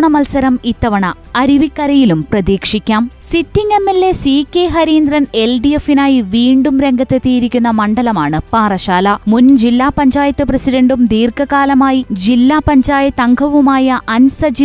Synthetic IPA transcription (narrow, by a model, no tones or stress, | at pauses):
ɳɐmɐlsɐɾɐmit̪ːɐʋɐɳɐ | ɐɾiʋikːɐɾɐjilumprɐðiːkʂikʲːaːmsitːiŋemːelːe̞siːkʲːeɦɐɾiːnd̪rɐne̞lɖijefinaːjiʋiːɳɖumɾe̞ŋɡɐt̪ːet̪ːiːjiɾikʲːunːɐmɐɳɖɐlɐmaːɳɨpaːrɐɕaːlɐmund͡ʑilːaːpɐɲd͡ʑaːjɐt̪ːɨprɐsiɖɐɳɖumd̪iːrkɐkaːlɐmaːjid͡ʑilːaːpɐɲd͡ʑaːjɐt̪ːɐŋɡʰʱɐʋumaːjɐʔɐnsɐd͡ʑi